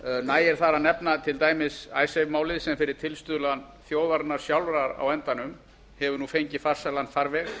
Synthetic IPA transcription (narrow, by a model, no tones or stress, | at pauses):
naːjɛɾ̥θaɾanɛpnat̪ʰɪlt̪aːjmɪsaːjsejvmaːwlɪðsɛmfɪɾɪɾ̥t̪ʰɪlst̪ʏːðlan | θjoːwðaɾnːaɾ̥sjawlɾaɾa̰wɛnt̪anʏm | hɛvʏɾnufejɲcɪfar̥salanfaɾvɛx